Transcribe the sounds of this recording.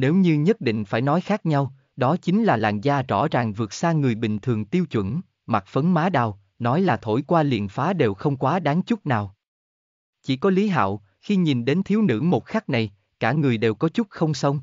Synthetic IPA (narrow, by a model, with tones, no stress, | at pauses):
ne˨˦wɲɨ˧ɲə˦˥t̚ɗḭ˧˨ŋ̟faː˧˩jnɔ˨˦jxaː˦˥k̚ɲa˧w | ɗɔ˨˦t͡ɕï˨˦ŋ̟laː˨˩la̰ː˧˨˩ŋzaː˧t͡ɕɔ˧˩zaː˨˩ŋvɨ˨˩ətk̚saː˧ŋɨ˨˩əjɓï˨˩ŋ̟t̪ʰɨ˨˩əŋt̪i˧əwt͡ɕwə̰˧˩˥n | ma˨˩k̚fə˨˦nmaː˨˦ɗaː˨˩w | nɔ˨˦jlaː˨˩t̪ʰo̰˧˩jkwaː˧lḭ˧˨ənfaː˨˦ɗe˨˩wxə˧wŋ͡mkwaː˨˦ɗaː˨˦ŋt͡ɕʊ˦˥t̚naː˨˩w | t͡ɕi˧˩kɔ˨˦li˨˦ɦa̰ː˧˨w | xi˧ɲi˨˩nɗe˨˦nt̪ʰi˨˦əwnɨ̰˧˥mo˨˩t̚xa˦˥k̚na˨˩j | kaː˧˩ŋɨ˨˩əjɗe˨˩wkɔ˨˦t͡ɕʊ˦˥t̚xə˧wŋ͡msə˧wŋ͡m